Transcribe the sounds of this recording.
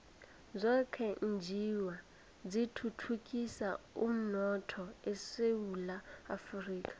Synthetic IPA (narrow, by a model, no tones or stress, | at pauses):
zʷɛkʰɛnd͡ʒiwa | d͡zitʰutʰukʼisaum̩nɔtʰɔɛsewulaafuriːkʼḁ